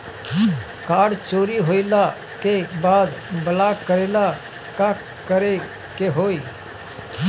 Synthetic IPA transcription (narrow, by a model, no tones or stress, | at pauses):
kaːɽt͡ʃoːɾiɦoːilaː | kebaːd̪bəlaːkkːəɾeːlaː | kaː | kəɾe | keɦoːiː